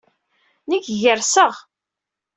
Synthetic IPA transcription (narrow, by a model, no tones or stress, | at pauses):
nəkʝəɾsəʁ